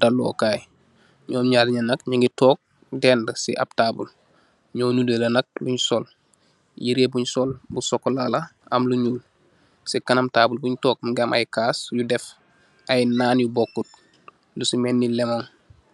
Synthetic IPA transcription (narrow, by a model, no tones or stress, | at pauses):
dalo̰kaːj | ɲoːmɲaːdɲanɐkɲaŋɡitoːk̚ | dɛːndəsḭʔa̰b̚taːbṵl | ɲoːnudelɐnɐk̚luɲsol | jiɾebuɲsoːlbusokːolala | a̰mluɲuːl | sikanamtaːbulbuɲtoːk̚mɡamʔa̰jkaːsjudɛf | ajnaːnjubokːut̚ | lusimenːilemoŋ